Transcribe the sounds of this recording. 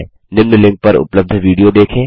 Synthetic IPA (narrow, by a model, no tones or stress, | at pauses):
nɪmnəlɪ̃ŋk̚pɐɾʊ̰pləb̚d̪ʱʋiːɽijod̪eːkʰẽː